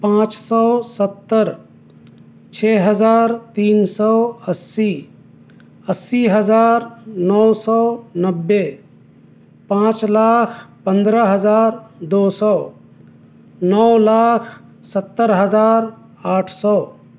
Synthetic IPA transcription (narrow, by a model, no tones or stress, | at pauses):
pãːt͡ʃsɔːsət̪ːəɾ | t͡ʃʰeːɦəd͡ʒaːɾt̪iːnsɔːəsːi | əsːiɦəd͡ʒaːɾnɔwsɔːnəbːe | pãːt͡ʃlaːkʰpə̃nd̪ɾəɦəzaːɾd̪oːsɔː | nɔwlaːkʰsət̪ːəɾɦəzaːɾ | aːʈʰsɔː